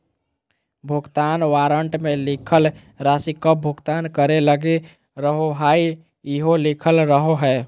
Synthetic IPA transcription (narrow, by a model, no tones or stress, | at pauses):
bʱuɡt̪anʋaɾəɳʈmelikʰəl | ɾasikəp̚bʱuɡt̪ankəɾeləɡe | ɾəɦoɦai | iɦolikʰəlɾəɦoɦɛ